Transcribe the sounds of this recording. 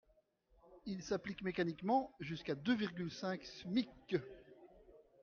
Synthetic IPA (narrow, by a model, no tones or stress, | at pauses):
ilsaplikmekanikmɑ̃ʒyskad̪øviʁɡʲylsɛ̃ksmik